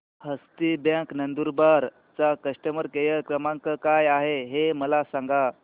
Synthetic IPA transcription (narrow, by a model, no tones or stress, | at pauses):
həst̪ibjãknənd̪uɾbaɾ | t͡sakəʂʈəməɾkejəkɾəmãŋkəkajaɦeɦeməlasãŋɡa